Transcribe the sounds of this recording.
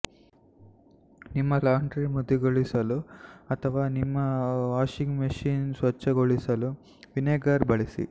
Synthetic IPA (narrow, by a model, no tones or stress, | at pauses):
nimːɐlaːɳɖɾimud̪ːiɡoɭisɐluɐt̪ʰɐʋaːnimːɐʋaːʃiŋɡmɐʃiːnsʋɐt͡ʃːɐɡoɭisɐlu | ʋineːɡɐɾbɐɭisḭ